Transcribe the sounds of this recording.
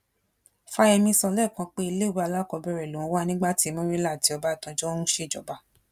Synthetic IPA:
fa˧ɛ˧mĩ˧sɔ˧lɛ˦˨kã˨˧˦k͡pe˦i˧le˦˨ɾu˦a˧la˦kɔ˧bɛ˧ɾɛ˨lu˨wɔ̃˨˧wa˦nĩ˦ɡ͡ba˦˨ti˨˦mɔ̃˦ɾi˦la˦˨ti˨˦ɔ˧ba˦˨tã˧d͡ʒɔ˦hũ˦ʃe˦˨d͡ʒɔ̰˨˦ba˧˨

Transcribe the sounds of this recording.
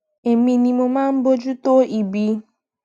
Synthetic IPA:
e˨mĩ˧nĩ˧mo˧mãː˦n̩˦bo˦d͡ʒu˦to˦i˨bi˧

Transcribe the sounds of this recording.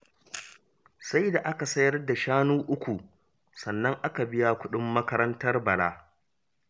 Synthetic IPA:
sa˦jda˨ʔa˦ka˨sɐ˦jɐ˦rda˨ʃaː˦nuː˦ʔʊ˦kʷu˨ | sɐ˨nːɐ˦ŋʔa˦ka˨bɪ˦ja˦kʷʊ˦ɗɪ˦mːɐ˦kɐ˦ɾɐ˦ntɐ˦rbɐ˨laː˦

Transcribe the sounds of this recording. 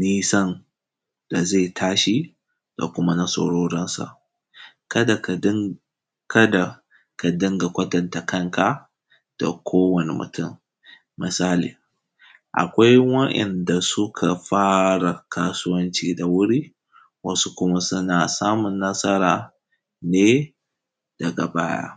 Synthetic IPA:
niː˦sɐ˦n | d̥a˨ze˦˨tʰaː˦ʃi˦ | d̥a̰˨kʷʊ˦ma˦nɐ˦so̰˨ɽoː˦ɽɐ˦nsa̰˨ʔ | kɐ˦da˨˦ | kɐ˦da˨ | ka˨dɪ˦ŋɡa˨kʷɐ˦tɐ˨nta˨kɐ˦˨ŋka˨ | d̥a̰˨kʷʰoː˦wɐ˨nḭ˨mʊ̰˨tʰʊ˦˨m | mɪ˨saː˦lḭː˨ | ʔa̰˨kʷa˦jwɐ˦ʔɛ̰˨nda˨sʊ˦kʰa˨ɸaː˦ɽa˨kʰaː˦sʊ˦wɐ˦nt͡ʃiː˦da˨wʊ˦ɽiː˦ | wɐ˦su˦kʷʊ˦ma˦sʊ˦na˨saː˦mʊ˨nːɐ˦sɐ˦ɾaː˨ | neː˦ | d̥ɐ˨ɡa˨baː˦ja̰˦

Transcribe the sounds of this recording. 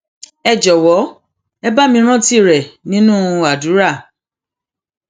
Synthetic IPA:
ɛ˦˨d͡ʒɔ˨wɔ˨˦ | ɛ˦ba˦mĩ˧˦ɾ̃ã˦ti˦˨ɾɛ˨nĩ˦nũ˦a˨du˨˦ɾa˦˨

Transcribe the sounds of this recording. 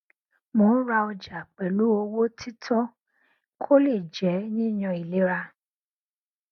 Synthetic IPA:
mõ˨˦ɾa˧ɔ˧d͡ʒa˨k͡pɛ˨lu˨˦o˧wo˦tʰi˦tʰɔ̃˦ | kʰo˦le˦˨d͡ʒɛ˨˦nĩ˦˨j̃ɔ̃˧˨i˨le˨˦ɾa˧

